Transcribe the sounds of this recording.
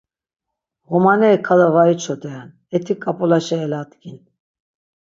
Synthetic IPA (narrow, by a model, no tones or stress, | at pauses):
ɣɔmanɛːkʰalavait͡ʃʰɔd̪ʼɛan | ɛt̪ʰikʼːapʼɔlaʃɛːlat̪kʰʼin